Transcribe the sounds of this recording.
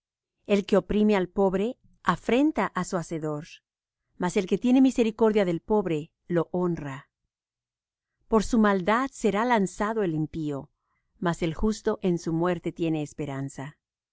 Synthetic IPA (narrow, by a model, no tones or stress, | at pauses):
e̞lke̞o̞pɾime̞alpo̞βɾe̞ | afɾe̞nt̪aʔasuaseðo̞ɾ | mase̞lke̞t̪je̞ne̞mise̞ɾiko̞ɾðjaðe̞lpo̞βɾe | lo̞ʔo̞nra | po̞ɾsumald̪aðse̞ɾalansaðo̞elimpio̞ | mase̞lxust̪o̞ʔe̞nsumwe̞ɾt̪e̞t̪je̞ne̞ːspeɾansa